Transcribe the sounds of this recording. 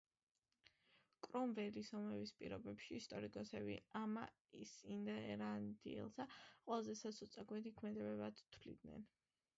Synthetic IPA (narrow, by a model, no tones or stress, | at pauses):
kʼɾɔmvɛlisɔmɛvispʼḭɾɔbɛpʃiːst̪ʼɔɾikʼɔsɛbḭama | isind̪ɛɾand̪ḭɛ̰lˠsaqʼwɛlˠazɛsasʰut̪sʼaɡwɛt̪ʰikʰmɛd̪ɛbɛbad̪t̪ʰwlḭd̪nɛ̰n